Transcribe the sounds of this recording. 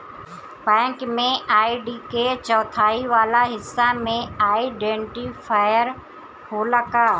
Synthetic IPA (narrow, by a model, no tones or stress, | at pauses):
bɛ̃ːŋkmẽaːiɖiːkeːt͡ɕəːt̪ʰaːiʋaːlaɦɪsːamẽaːiɪɖẽːɳʈifaːɪjəɾ | ɦoːlɐkaː